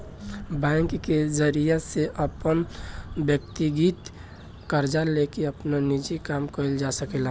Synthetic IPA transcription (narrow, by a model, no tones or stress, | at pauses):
bɛ̃ŋkkezəɾijaseʔəpənbjək̚t̪iɡit̪ | kəɾd͡ʒalekeəpnanid͡ʒikamkəild͡ʒasəkɛla